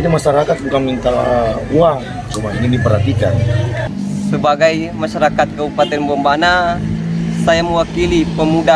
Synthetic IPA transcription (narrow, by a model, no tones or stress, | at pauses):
damaʃaɾakat̪̚uŋkaŋmint̪awa | t͡ʃumainidipərhat̪ika̰n | səbaɡajmaʃaɾakat̪̚kəbupat̪ɛnbɔmbana | sajaməwakilipəmuda